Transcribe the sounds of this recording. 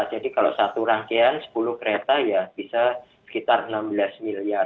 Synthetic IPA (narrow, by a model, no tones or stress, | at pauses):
d͡ʒadikalo̰ʔsat̪uɾaŋkeansə̥pulʊhkəɾet̪ajab̥isa | sə̥kit̪arənambəlasmiliar